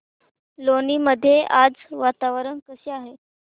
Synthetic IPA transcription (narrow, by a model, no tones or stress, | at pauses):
loniːməd̪ʱːjeʔad͡zʋat̪aʋɾəɳkəseaɦe